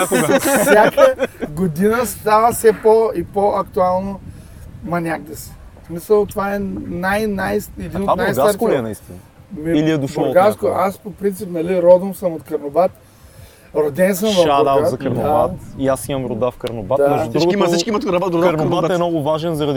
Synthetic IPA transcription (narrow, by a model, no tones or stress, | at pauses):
aksjakəɡod̪inəst̪avəfsɛpoipoʔɐkt̪ualˠno | mɐnʲak̚d̪əsi̥ | smisəlˠt̪ovaɛnajnajsɛd̪inot̪anajsɡaaɾknɐist̪inɐmiiliɛd̪ʊʃoɡaskoʔaspopɾint̪sipnɐliɾɔd̪ɐmsəmot̪kɐɾnobat̪̚ | ɾod̪ɛns̬əmʃvɐad̪aazɐkɐɾnd̪oba̰t̪iasimɐmɾʊd̪afkɐɾnobat̪amɛʒud̪ɾuɡimsiʃkimot̪kɾbad̪ɾɐɾoat̪ɛnɔɡʊvaʒɛnzɐɾɐd̪i